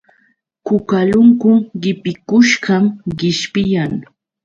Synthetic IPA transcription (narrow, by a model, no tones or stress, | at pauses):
kʊkalʊŋkʊɢɪpɪkʊʃɢamɢɪʃpɪjaŋ